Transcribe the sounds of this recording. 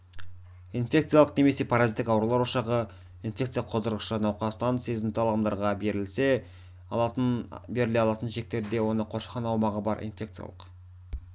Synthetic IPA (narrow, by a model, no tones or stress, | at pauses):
infʲe̞kt̪sɨjalˠəqne̞me̞se̞pʰaɾazit̪ːɪkɑwɾulˠɑɾoʃɑʁə | infʲe̞kt̪sɨjaqʰozd̪əɾʁəʃənɑwqɑst̪ɑnse̞zɪmt̪ɪɑlˠɑmd̪ɑɾʁɑbe̞ɾɪlse̞ | be̞ɾɪleɑlˠɑt̪ənʒe̞k̚t̪e̞ɾd̪e̞wo̞nəqʰo̞ʃqɑnɑwmɑʁəbɑɾʔḭnfʲe̞kt̪sɨja̰lˠə̰q